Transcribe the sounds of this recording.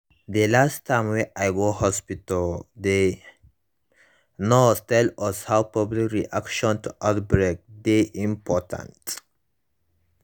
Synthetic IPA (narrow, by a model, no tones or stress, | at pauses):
d̪elastʰːãɪ̃mweʔajɡohɔspitəld̪e | nɔstɛlɔshawpɔblikɹiʔakʃɔ̃ntuʔatbɾek̚d̪eʔĩmpʰɔtʰã̰nt